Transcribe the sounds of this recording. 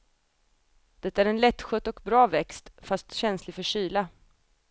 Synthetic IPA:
d̪̥ɛt̪ːaæɾɛnlɛt̪ːɧœt̪ːɔkbɾɑːvɛkst̪fast̪ɕɛnslɪfœʂyːla

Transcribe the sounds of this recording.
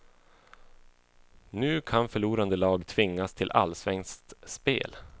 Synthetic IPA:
nʉ̟ːkʰanfœɭuːɾand̪əlɑːɡt̪ʰvɪŋːast̪ʰɪlʔa̰lsvɛŋst̪spḛːl

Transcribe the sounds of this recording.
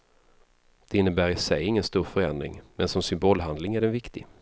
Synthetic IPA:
d̪̥ɛɪnːəbæːɾɪsɛjːɪŋːənst̪uːɾfœɾɛnd̪ɾɪ̰ŋmɛnsɔmsʏmboːlɦand̪lɪŋæɖɛnvɪkt̪ɪ̰

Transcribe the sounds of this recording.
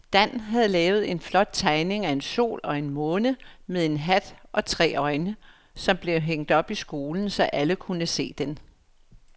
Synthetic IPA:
d̥æn̰ɦæð̞̩ˠlɛːʊð̞̩ˠe̝nflɒ̽d̥̚t͡sʰɑ̈ɪne̝ŋæe̝nso̝̰ːlɒ̽e̝nmɔ̽ːnəmeðˠe̝nɦæd̥ʔɒ̽t͡sʰʁɛ̰ːɒ̽ɪnə | sɒ̽mb̥le̝ʊɦeŋ̰d̥ɒ̽b̥isɡ̥o̝ːln̩sɒ̽ʔæləkʰunəse̝̰ːd̥en

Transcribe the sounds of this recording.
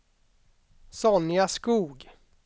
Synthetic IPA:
sɔnɪaskuːɡ

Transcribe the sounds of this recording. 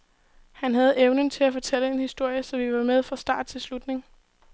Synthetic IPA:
hænɦæð̞ˠeʊnənt͡sʰe̝læfɒ̽t͡sʰeləe̝nhisd̥o̝ɐ̰jəsɒ̽ʋiʋɑ̈með̞ˠfʁɑ̈sd̥ɑ̰̈ːd̥̚t͡sʰe̝lslud̥ne̝ŋ

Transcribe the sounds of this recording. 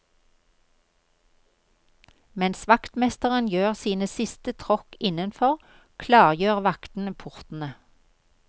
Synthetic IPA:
mɛnsʋɑkt̪mɛst̪əʁənjøːʁsiːnəsɪst̪ət̪ʰʁɔkɪnənfɔʁ | kʰlɑːʁjøːʁʋɑkt̪n̩əpʰʊʁt̪n̩ə

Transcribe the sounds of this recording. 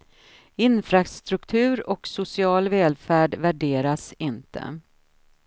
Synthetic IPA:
ɪnfɾast̪ɾɵkt̪ʰʉ̟ːɾɔksʊsɪɑːlvɛːlfæːɖvæɖeːɾasɪnt̪ʰə̰

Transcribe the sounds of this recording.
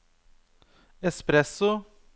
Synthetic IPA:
espɾɛsʊ

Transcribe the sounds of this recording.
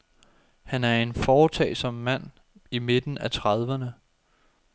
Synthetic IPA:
hænæɐe̝nfɒːt͡sʰɛ̰ːɪsɒ̽mːæn̰ | ime̝d̥n̩æt͡sʰʁɑðˠʋɐnə

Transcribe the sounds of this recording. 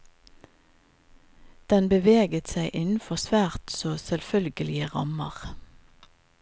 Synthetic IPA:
d̪̥ɛnbəʋeːɡət̪sæɪʔɪnn̩fɔsʋæːʁt̪soːsɛlfœlɡəlɪəʁɑ̰məʁ

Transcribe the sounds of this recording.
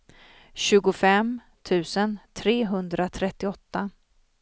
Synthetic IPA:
ɕʉ̟ːɡʊfɛm | t̪ʰʉ̟ːsənt̪ʰɾeːɦɵnd̪ɾat̪ʰɾɛt̪ːɪɔt̪ːa

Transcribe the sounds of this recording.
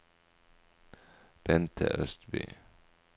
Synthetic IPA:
b̥ɛnt̪ʰə̰ʔœst̪by̰ː

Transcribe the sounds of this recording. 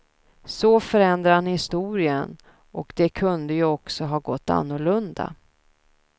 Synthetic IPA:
sɔfœɾɛnd̪ɾaanhɪst̪uːɾɪən | ʔɔkd̪̥ɛkʰɵnd̪əjɵɔksɔɦɑːɡɔt̪ːa̰nːʊɭɵnd̪a̰

